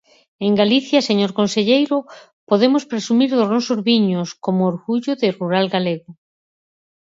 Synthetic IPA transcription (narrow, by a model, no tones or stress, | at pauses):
eŋɡaliθjaseɲoɾkonseʎejɾo | poðemospɾesumiɾðoznɔsozβiɲoskomoːɾɣuʎoðeruɾalɡaleɣo